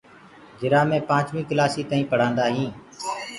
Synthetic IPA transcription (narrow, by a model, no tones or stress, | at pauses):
d͡ʒɪɾaːmẽːpãːt͡ʃʋĩːklaːsiːt̪aːĩːpəɽ̤ãːnd̪aːɦĩː